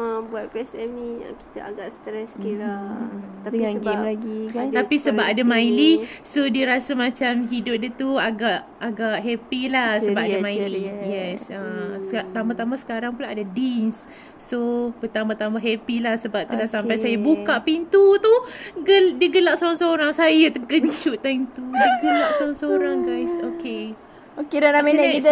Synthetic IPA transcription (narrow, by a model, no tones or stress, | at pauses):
əbuat̪̚piɛsɛmniə̰ki̥t̪a̰aɡaʔst̪ɾɛskilat̪aiɡmlaɡit̪apisəbap̚adamajlisodiəɾasamãt͡ʃamɦidʊp̚diət̪uaɡaʔ | aɡaʔɦɛpilahsəəbapadamailliijɛsət̪ambat̪amasə̥kaɾaŋpulaʔadadinsː | opət̪ambat̪amaɦɛpilahsəbap̚t̪ulasampajsajabukaʔpint̪ut̪uɡədəɡəlaʔsoɾaŋsoɾaŋsajat̪əɡəɲt͡ʃuʔ̪amt̪udəɡəlaʔsoɾaŋsoɾaŋɡajsoke | okedanameni